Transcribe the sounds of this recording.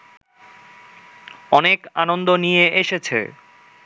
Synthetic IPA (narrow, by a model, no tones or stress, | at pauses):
ɔnekanond̪onijeeʃet͡ɕʰḛ